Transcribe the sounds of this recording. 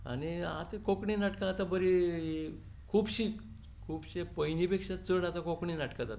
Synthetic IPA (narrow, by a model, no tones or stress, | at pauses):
a̰nia̰t̪ekokɳinaʈkãːt̪abəɾi | kʰuːbɕik | kʰuːbɕepəɦinipekʂat͡səɽat̪akokɳinaʈkat̪at̪a